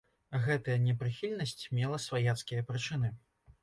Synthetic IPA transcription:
ɣɛt̪ɐjɐnʲɛpɾɨxʲilʲnɐsʲt͡sʲmʲɛlˠɐsvajat̪skʲijɐpɾɨt͡ʂɨnɨ

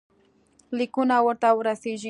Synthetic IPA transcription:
lɪkʊnawaɾt̪aʊɾasɪʒɪ

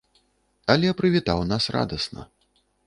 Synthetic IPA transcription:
ɐlʲɛpɾɨvʲit̪awnasra̰d̪ɐsnɐ̰

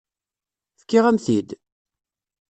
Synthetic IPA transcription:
fkːiʁæmθid̪

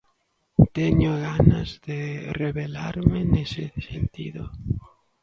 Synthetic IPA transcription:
t̪eɲoɣanazðereβelaɾmenesesent̪iðo

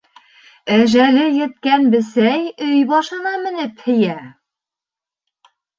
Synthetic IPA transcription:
æʒælɘjɘ̆t̪̚kænbɘ̆sæjɵjbɑʃɤ̆nɑmɘ̆nɘphɘ̆jæ

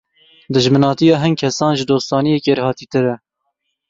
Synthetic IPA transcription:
d̪ɨʒmɨnɑːt̪ijɑːɦɨnkʰɛsɑːnʒɨd̪oːst̪ɑːnijekeɾhɑːt̪iːt̪ɨɾɛ

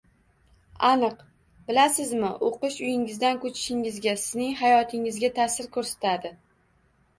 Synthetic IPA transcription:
anɨq | b̥ɪlasɪzmɪʔoqɨʃʊjɪŋɪzd̪ankʰɵt͡ʃʰɪ̥ʃɪŋɪzɡʲasɪznɪŋhajɒt̪ʰɪŋɪzɡʲat̪ʰasɪɾkʰɵɾsḁt̪ʰad̪ɪ

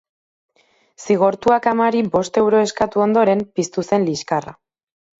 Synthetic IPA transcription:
siɣ̞o̞ɾt̪uakamaɾibo̞st̪e̞wɾo̞e̞skat̪uo̞nd̪o̞ɾe̞mpist̪use̞nliskara̰

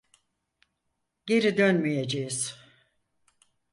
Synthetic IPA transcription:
ɟe̞ɾid̪ønmijed͡ʒejiz̥

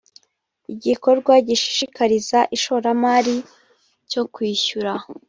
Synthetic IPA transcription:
iɟiko̞ɾɡwaɟiʃi̥ʃikaɾizaʔiʃo̞ɾamaːɾi | co̞kwiːçuɾa

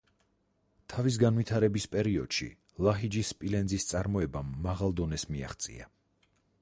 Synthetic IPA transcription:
t̪ʰavis̬ɡanvit̪ʰaɾɛbispʼɛɾiɔd̪̥ʃḭ | lˠaɦid͡ʒispʼilɛnzist̪sʼaɾmɔɛbamːaʁalˠd̪ɔnɛsmia̰χt̪sʼḭa̰

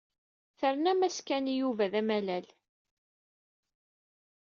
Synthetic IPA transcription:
θəɾnæmæskænijuvæðæmælæl

